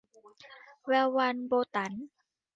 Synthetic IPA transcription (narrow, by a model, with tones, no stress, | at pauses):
wɛː˧wːa˧nboː˧t̪a˩˦n